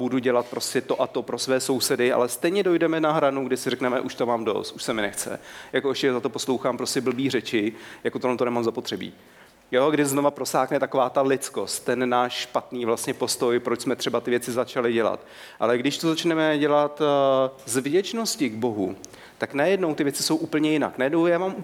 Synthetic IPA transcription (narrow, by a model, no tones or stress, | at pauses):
buduɟɛlat̪̚pɾo̞scɛt̪o̞ʔat̪o̞pɾo̞svɛːso̞wsɛdɪʔa̰lɛst̪ɛjɲɛdo̞jdɛmɛnaɦɾanuɡdɪsɪrɛknɛmɛʔuʃt̪omaːmdo̰st̪uʃsɛmɪnɛxt͡sɛ̰jakoɛʃcɛzat̪opo̞slowxaːmpɾo̞scɛbl̩biːr̝ɛt͡ʃɪjakot̪olɛnt̪onɛmaːmzapo̞t̪r̥ɛbḭː | jo̞ɡdɪznovapɾo̞saːknɛt̪akovaːt̪alɪt͡sko̞st̪t̪ːɛnːaːʃʃpat̪niːvlast̪ɲɛpo̞st̪o̞jpɾot͡ʃsmɛt̪r̥ɛbat̪ɪvjɛt͡sɪzat͡ʃalɪɟɛla̰t̪ | ʔa̰lɛɡdɪʃt̪ozat͡ʃnɛmɛɟɛlat̪zvɟɛt͡ʃno̞scɪɡbo̞ɦṵ | t̪aknajɛdno̞wt̪ɪvjɛt͡sɪ̥so̞wʔuːpl̩ɲɛjɪna̰knajɛdnowjaːvaːmu